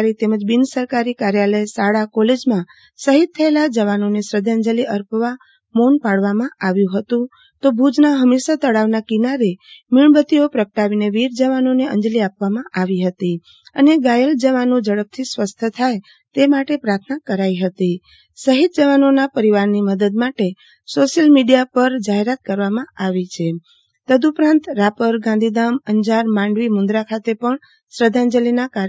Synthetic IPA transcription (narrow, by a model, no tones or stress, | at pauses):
ɾit̪eməd͡ʒbinsəɾkaɾikaɾjaləjsaɽakɔled͡ʒmã | səɦit̪̚ʰːəelad͡ʒəʋanonesɾəd̪ʱəɲd͡ʒəliʔəɾpʋa | monpaɽʋamãaʋjũɦət̪ũ | t̪obʱud͡ʒnaɦəmeʃət̪əɽaʋnakinaɾemiɭbət̪iopɾəkəʈaʋineʋiɾd͡ʒəʋanoneə̰̃nd͡ʒəliapʋamãʔaʋiɦət̪i | əneɡajəld͡ʒəʋanũd͡ʒəɽəb̚t̪ʰisʋəst̪ʰət̪ʰaj | t̪emaʈepɾaɾt̪ʰnakəɾaiɦət̪i | səɦit̪̚d͡ʒəʋanonapəɾiʋaɾniməd̪əd̪maʈe | soʃjəlmiɖijapəɾd͡ʒaɦeɾat̪̚kəɾʋamãaʋit͡ʃʰe | t̪əd̪upɾãnt̪ɾapəɾɡãnd̪ʱid̪aməɲd͡ʒaɾmãɳɖʋimʊnd̪ɾakʰat̪epəɳ | sɾəd̪ʱãnd͡ʒəlinaka